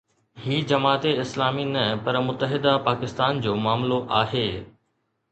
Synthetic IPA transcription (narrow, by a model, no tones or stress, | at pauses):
hiːd͡ʑɐmaːt̪eɪslaːminɐpɐɾmʊt̪əɦɪd̪apaːkɪst̪aːnd͡ʑoːmaːmloʔaːɦeː